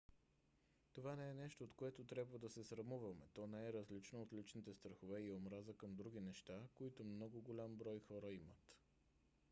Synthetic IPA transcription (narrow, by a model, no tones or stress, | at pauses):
t̪ovanɛɛnɛʃt̪oːt̪koɛt̪ot̪ɾʲjabvəd̪ɐsɛsɾɐmuvəmɛt̪ɔnɛɛɾəzlit͡ʃnoot̪lit͡ʃnit̪ɛst̪ɾəxovɛiomɾazəkəmd̪ɾuɡ̟ʲinɛʃt̪akoit̪omnɔɡoɡolʲambɾɔjxɔɾəimət̪